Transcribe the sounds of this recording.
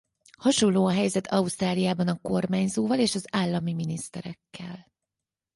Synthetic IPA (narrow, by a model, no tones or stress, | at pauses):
hɒʃo̞nlːoːɒɦɛjzɛt̪ʰɒust̪raːlijaːbɒnɒko̞rmaːɲzoːvɒleːʃɒzaːlːɒmiminist̪ɛɾɛkːɛ̰l